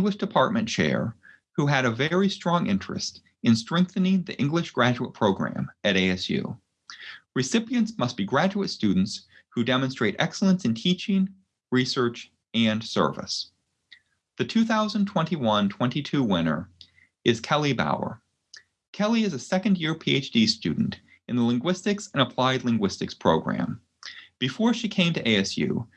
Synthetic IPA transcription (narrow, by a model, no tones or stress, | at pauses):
ŋɡləʃd̥ɨpʰɑɹt̚mɨ̃nt͡ʃʰɛ̰ɹ | huɨɾɨvɛɹistɹ̥ɔ̃ŋʔɪ̰̃nt͡ʃɹ̥ɨ̰st | ɨ̃nstɹ̥ɛ̃ŋk̚θɨnɪ̃ŋðḭʔɪ̃ŋɡlɨʃɡ̥ɹæd͡ʒuət̚pʰɹ̥oʊɡɹæ̰̃mɨɾeɪɛsjʉ̰ | ɹɨsɪpiɨ̃ntsmʌst̚b̥iɡɹæd͡ʒuɨtstʉdⁿn̩ts | hudɛmɨ̃nstɹ̥eɪɾʔɛksl̩ˠə̃nsɨ̃n̩tʰit͡ʃɪ̃ŋ | ɹisɜ˞t͡ʃ | ɨ̃nsɜ̰˞vɨ̰s | ðɨtʰʉθaʊzə̃ntʰw̥ɛ̃ntiwʌ̃ntʰw̥ɛ̃ntitʰʉwɪ̃nə̰˞ | ɨz̥kʰɛlˠiba̰ʊə̰˞ | kʰɛlˠiɨzɨsɛkɨ̃ndjɪɹpʰieɪt͡ʃd̥istʉ̰dⁿn̩t | ɨ̃nðəlɪ̃ŋɡwɪstɨksɨ̃nəpʰl̥aɪdˡlɪ̃ŋɡwɪstɨkspʰɹ̥oʊɡɹæ̰̃m | b̥ɨfɔɹʃikʰẽɪ̃mtɨʔeɪɛsjʉ̰